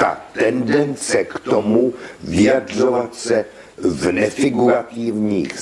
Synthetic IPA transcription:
t̪a̰t̪ɛndɛnt͡sɛkt̪omuvɪjadr̝ovat̪sɛ | vnɛfɪɡuɾat̪ivɲḭːx

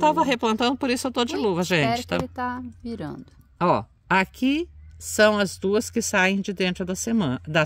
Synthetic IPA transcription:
t̪avɐɦeplɐ̃nt̪ɐ̃nd̪ʊpoɾisʊewt̪od͡ʒɪluvɐʒẽnt͡ʃɪ̥t̪at̪aviɾɐ̰̃d̪ʊɔ̰ | akisɐ̃w̃ɐzd̪uɐskɪsajẽj̃d͡ʒɪd̪ẽnt̪ɾʊd̪ɐsemɐ̃d̪ɐ

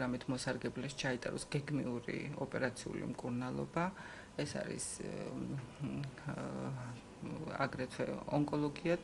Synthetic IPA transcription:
ɾamit̪ʰmɔsaɾɡɛblɛʃt͡ʃʰait̪ʼa̰ɾɔsɡ̥ɛɡmiuɾḭɔpʼɛɾat̪sʰiṵlḭmkʼuɾnalˠɔ̰ba | ɛsa̰ɾḭs | a̰ɡɾɛt̪ʰwɛ̰ɔŋkʼɔlˠɔɡia

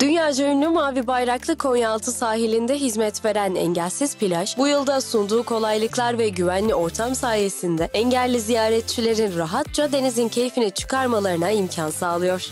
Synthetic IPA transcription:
d̪̥ynjaːd͡ʒojynːʲymaːvibajɾaklˠɯkʰo̞njalˠt̪ʰɯsaːɦilʲind̪ɛɦizmɛt̪ve̞ɾænɛ̰ɲɟælʲsiz̥pilʲaʃbujɯlˠd̪asund̪uːkʰo̞lˠajlˠɯklˠaɾvɛɟyvænlʲio̞ɾt̪ʰamsaːje̞sind̪ɛɛɲɟælʲːizijaːɾɛt̪̚t͡ʃʰilʲe̞ɾinɾaɦat̪̚t͡ʃad̪e̞nizincʰe̞jfinit͡ʃʰɯ̥kaɾmalˠaɾɯnaimcʰansaːlˠɯjo̞ɾ̥

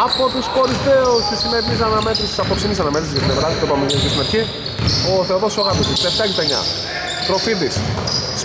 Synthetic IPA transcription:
ɐpot̪uskoɾizðeoçist̪inetis̬ɐnɐmet̪ɾisisɐpoksinisɐnɐme̞t̪ɾiszʝɐt̪inevɾɐðit̪opɐmeeiskest̪imet̪çi | oθeoðosoɣɐbosist̪eft̪ɐcist̪ɐɲɐ̰ | t̪ɾofiðis

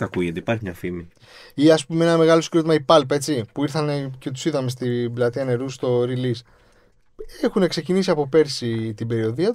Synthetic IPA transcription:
kɐkuʝɐt̪iːpɐɾçimɲɐfimi | iɐspumeenɐme̞ɣɐlo̞skɾot̪imɐipɐlpɐe̞t͡sipuiɾθɐne̞ce̞t̪u̥siðɐme̞st̪iblɐt̪iɐne̞ɾust̪o̞ɾilis | exune̞kse̞cinisiɐpo̞pe̞ɾsit̪ibe̞ɾio̞ðiɐt̪u

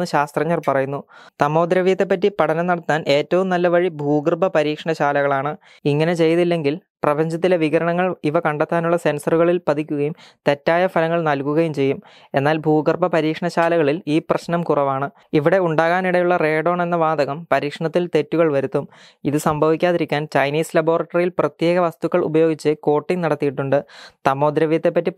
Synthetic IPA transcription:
ɨɕaːst̪rɐɲːɐrpɐrɐjunːut̪ɐmo̞ːd̪ɾɐʋijt̪ːe̞p̬ːɐtːipɐʈʰɐnɐmnɐɽɐt̪ːaːne̞ːtːɐʋumnɐlːɐʋɐɻibʱuːɡrbɐpɐɾiːkʂɐɳɐɕaːlɐɣɐɭaːɳɨ | iŋːɐne̞t͡ɕe̞jɐðilːe̞ŋɡilprɐbɐɲd͡ʑɐt̪̬ːile̞ʋiɣɐɾɐɳɐŋːɐɭiʋɐkɐɳɖɐt̪ːaːnuɭːɐse̞nsɐruɣɐɭilpɐd̪ʱikʲːuɣɐjumt̪e̞tːaːjɐfɐlɐŋːɐɭnɐlkuɣɐjumt͡ɕe̞jːum | e̞nːaːlbʱuːɡɐrpɐpɐɾiːkʂɐɳɐɕaːlɐɣɐɭiliːprɐɕnɐmkurɐʋaːɳɨ | iʋiɽe̞uɳɖaːɣaːniɽɐjuɭːɐre̞ːɖo̞ːɳe̞nːɐʋaːd̪ɐɣɐmpɐɾiːkʂɐɳɐt̪ːilt̪e̞tːuɣɐɭʋɐɾut̪ːum | iðɨsɐmbʱɐʋikʲːaːðiɾikʲːaːnt͡ɕɐjniːslɐbo̞ːrɐʈːɐrijilprɐt̪je̞ːɣɐʋɐst̪ukːɐɭṵbɐjo̞ːɡit͡ɕːɨko̞ːʈːiŋnɐɽɐt̪ːijiʈːuɳɖɨt̪ɐmːo̞ːd̪ɾɐʋijɐt̪ːepːɐtːi

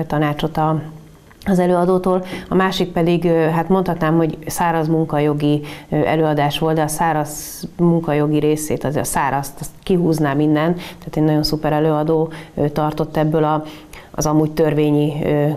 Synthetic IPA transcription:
t̪ɒnaːt͡ʃo̞t̪ɒ | ɒzɛløːɒd̪oːt̪oːlɒmaːʃik̚pɛd̪iɡɦat̪mo̞nt̪hɒt̪naːmho̞ɟsaːɾɒzmuŋkɒjo̞ɡiøʔɛ̰løːɒd̪aːʃʋo̞ld̪d̪ɛɒsaːɾɒz | muŋkɒjo̞ɡiɾeːseːt̪ɒzḛːɒsaːɾɒst̪ɛst̪kiɦuːznaːmind̪ɛnt̪t̪ːɛːt̪enɒɟo̞nsupɛɾɛløːɒd̪oːt̪ɒrt̪o̞t̪ːɛbːølɒ̰ː | zɒmuːct̪ørveːɲiøː

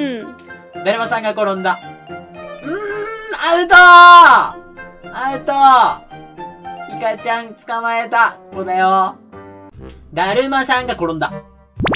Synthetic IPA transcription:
d̪aɾɯmasãŋɡakoɾõnd̪a | ɯaɾɯt̪o | aɯt̪o | ikat͡ɕãŋt͡sɨ̥kamaet̪akod̪ajo | d̪aɾɯmasãŋɡakoɾõnd̪a

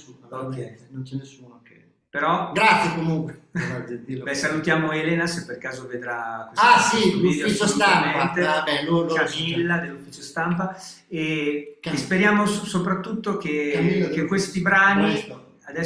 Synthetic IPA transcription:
uokːɛnont͡ʃɛnesːuːnoke | peɾɔɡɾat̪sːjekomuŋkwead̪ibɛsalut̪jaːmoeleːnasepːerkaːzoved̪ɾakwesasiid̪oiost̪ammeant̪eabɛokamilːad̪elːufiːt͡ʃost̪ampa | e | speɾjaːmosopɾat̪ːut̪ːokekekːwest̪ibɾaːni | ad̪ɛ

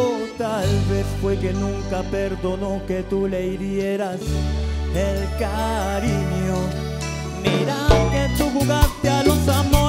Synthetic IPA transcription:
ot̪alβeθfwekenũŋkapeɾðonoket̪uleiɾjeɾas | elkaɾiɲo | miɾaket̪uɣuɣaɾt̪janusamo

